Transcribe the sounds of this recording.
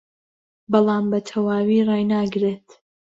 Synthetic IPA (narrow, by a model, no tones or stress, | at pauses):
bɑlˠɑːmbɐt̪ʰɐwaːwiːraːjnaːɡɾeːt̪